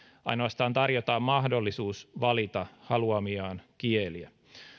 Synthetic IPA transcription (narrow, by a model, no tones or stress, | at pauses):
ɑ̰jno̞ɑst̪ɑːnt̪ɑrjot̪ɑːmmɑhdo̞lːisuːsʋɑlit̪ɑhɑluɑmiɑːnkieliæ